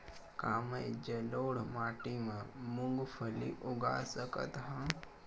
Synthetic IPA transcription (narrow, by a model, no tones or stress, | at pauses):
kaːmed͡ʒəloːɽmaːʈimãmʊŋɡpʰəlḭʔʊɡa̰ːsəkə̰t̪ɦãː